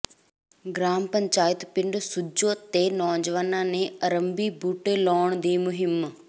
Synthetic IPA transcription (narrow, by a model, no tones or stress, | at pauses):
ɡɾaːmpɐɲt͡ʃaːjət̪pɪɳɖsʊd͡ʒoːt̪enɔːd͡ʒʋanãːnẽɐɾəmbibuːʈelɔːɳ̃d̪iːmʊɦɪm